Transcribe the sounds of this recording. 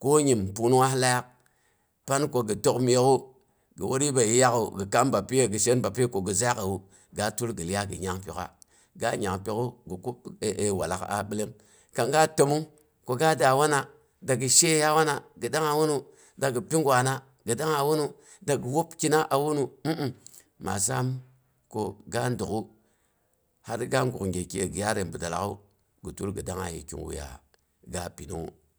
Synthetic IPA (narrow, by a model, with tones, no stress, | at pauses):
ko˦ɲi˨mpu˨nu˦wa˦la˦ja˦k̚ | pa˦nko˨ɡi˨to˦km˨je˦ku˦ | ɡə̰˨wʔo˦ɾi˦ba˨ji˦ja˦kṵ˨ɡi˨ka˦mba˨pi˦je˦ɡi˨ʃe˦nba˨pi˦ko˨ɡi˨za˦a˦ka˨wu˦ | ɡa˨tu˦lɡi˨lja˦ɡḭ˨ɲa˦ŋpḭ˨ka̰˨ | ɡa̰˦ɲa˨ŋpi˨ku˦ɡi˨ku˦˨ʔe˨wa̰˨la̰˨ka̰˨ɓi˦le˦m | ka˨ŋɡa˦to˨mu˦ | ko˨ɡa˦da˨wa˦na˨ | da˨ɡi˨ʃe˦ja˦wa˦na˨ɡɨ˨da˦ŋa˨wu˦nu˦ | da˨ɡə˨pi˦ŋɡwa˨na˦ | ɡə˨da˦ŋa˨wu˦nu˦ | da˨ɡwo˦pki˦na˦ʔa˨wu˦nu˦m̩˦˨ | ma̰˨sa˦m | ko˦ɡa˦ndu˨ku˦ | ha˦ɾɡa˦ŋɡu˨ŋɡe˨ke˨ɡi˨ja˦ɾe˨nbu˨da˨la̰˦kṵ˦ | ɡu˨tu˦lɡɨ˨da˦ŋa̰˨jḭ˨kḭ˨ŋwṵ˨ja̰˨ | ɡa˦pi˨nṵ˦ṵ˦